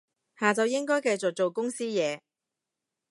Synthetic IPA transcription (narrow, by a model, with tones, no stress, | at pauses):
haː˨t͡sɐ˨˧wjɪ˥ŋkɔː˥jkɐ˧jt͡sʊ˨k̚t͡ʃo˨wkʊ˥ŋsiː˥jɛː˨˧